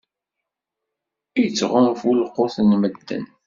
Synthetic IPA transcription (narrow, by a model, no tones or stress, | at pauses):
ijət͡sːʁʊmfulqːʊθənməd̪ːə̰n